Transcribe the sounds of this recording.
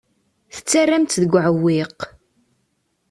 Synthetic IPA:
θə̥t͡sːarːamt̪ðəɡʷʕəwːiq

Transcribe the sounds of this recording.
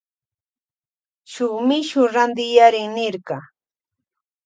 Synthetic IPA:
ʃʊmɪʃʊɾand̪ɪjaɾɪŋnɪɾɢɑ

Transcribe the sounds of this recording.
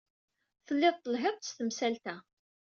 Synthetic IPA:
θəlːɪðˤt̪ˤːəlɦeðˤst̪əmsælt̪æ

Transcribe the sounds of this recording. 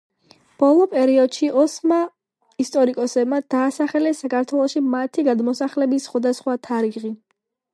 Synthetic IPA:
b̥ɔlˠɔpʼɛɾiɔd̪̥ʃiʔɔsma | ist̪ʼɔɾikʼɔsɛbmad̪̥aːsaχɛlɛsakʰaɾt̪ʰwɛlˠɔʃimat̪ʰiɡad̪mɔsaχlɛbisːχwad̪asχwat̪ʰaɾiʁi

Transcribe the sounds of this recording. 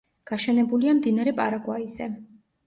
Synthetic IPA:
ɡ̥aʃɛnɛbuliamd̪inaɾɛpʼa̰ɾaɡwaizɛ̰

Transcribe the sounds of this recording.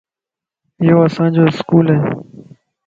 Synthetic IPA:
joːəsãːd͡ʒoːɪskuːlɦeː

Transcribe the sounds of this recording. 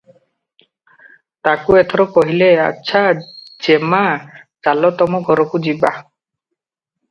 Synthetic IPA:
t̪akuet̪ʰɔɾɔkɔɦilea̰tːʃʰad͡ʒemat͡ʃalɔt̪ɔmɔɡʱɔɾɔkud͡ʒiba

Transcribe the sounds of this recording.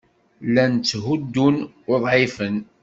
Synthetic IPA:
lænt͡sːɦud̪ːun | ʊðˤʕɪfən

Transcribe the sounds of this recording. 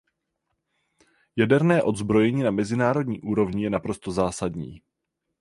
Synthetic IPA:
jadɛɾnɛːʔo̞d̪zbɾo̞jɛɲiːnamɛzɪnaːɾo̞dɲiːʔuːɾo̞vɲɪjɛnapɾo̞st̪o̞zaːsadɲḭː

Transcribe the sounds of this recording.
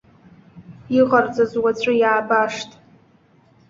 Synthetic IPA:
iʁard͡zʼazwat͡sʷʰʼɨjaːbaʂtʼ

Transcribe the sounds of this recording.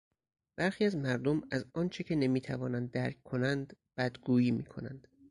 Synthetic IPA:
b̥æɾxiːæzmæɾd̪omæzɒːnt͡ʃʰecʰene̞miːt̪ʰævɒːnænd̪ːæɾk̚kʰːo̞nænd̪b̥æd̪ɡuːjiːmiːkʰo̞nænd̪̥

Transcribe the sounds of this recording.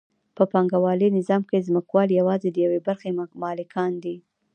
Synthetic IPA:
pəpɑŋɡawɑlinɪzɑmkezməkwɑljawɑzed̪əjawebaɾxemɑlɪkʰɑnd̪i

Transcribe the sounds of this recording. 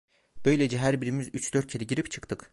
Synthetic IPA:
b̥ø̞jlʲed͡ʒɛɦæɾbiɾimizyt͡ʃd̪øɾt̪t͡ʃʰeɾiɟiɾipt͡ʃʰɯ̥kt̪ʰɯk

